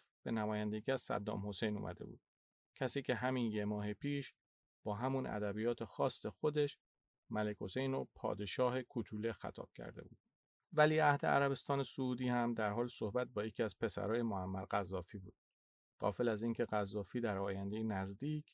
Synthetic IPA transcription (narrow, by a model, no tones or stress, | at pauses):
b̥e̞næmɒːjænd̪eɡiːæʃsæ̰d̪ːɒ̰ːmho̞se̞jnṵmæ̰d̪e̞̰bṵːd̪̥ | cʰæsiːcʰe̞ɦæminjemɒːɦepʰiːʃ | b̥ɒːɦæmunæ̰d̪æbijɒːt̪ʰe̞xɒːst̪e̞xod̪e̞ʃ | mæle̞kʲho̞sejnɾopʰɒ̰ːd̪e̞ʃɒːɦe̞kʰut̪ʰuːle̞xæ̰t̪ʰɒ̰ːb̥̚cʰæ̰ɾd̪e̞̰buːd̪̥ | væliːæhd̪e̞̰æ̰ɾæβe̞st̪ɒːne̞souːd̪iːhæmd̪æɾɦɒːlso̞hbæt̪̚bɒːjecʰiːæz̥pʰe̞sæ̰ɾɒːje̞moæmːæɾɢæzːɒːfiːbuːd̪̥ | ɢ̥ɒ̰ːfelæziːncʰe̞ɣæzːɒːfiːd̪æɾɒːjænd̪e̞jenæzd̪iːcʰ